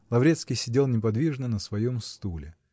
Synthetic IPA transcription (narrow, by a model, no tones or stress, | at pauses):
lˠɐvɾʲet̪skʲɪjsʲɪdʲelˠnʲɪp̬ɐd̪vʲiʐnənəsvɐjomst̪ulʲɪ